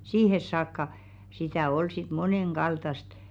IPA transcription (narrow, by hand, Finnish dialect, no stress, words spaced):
siːhes sɑːkːɑ sitæˑ ol sit moneŋɡ̊ɑltɑst